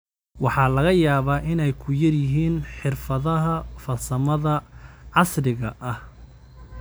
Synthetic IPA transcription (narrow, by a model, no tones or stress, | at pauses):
wɑħɑːlɐɣɐjaːβaːʔɪnɛjkʰʊjɐrjɪɦiːnħɪrfɐðɐɦɐfɐsɐmɐðɐʕɑsrɪɣɐʔɐh